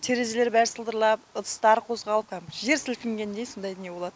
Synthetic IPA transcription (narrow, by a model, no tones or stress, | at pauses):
t̪ʰe̞ɾe̞zele̞ɾbæɾsəlˠd̪əɾlˠɑpət̪ʰə̥st̪ɑɾqʰo̞zʁɑlˠəp̚kʰɑʒe̞ɾsɪlkʲɪŋɡʲe̞nd̪ejso̞nd̪ɑjt̪neboɑd̪ə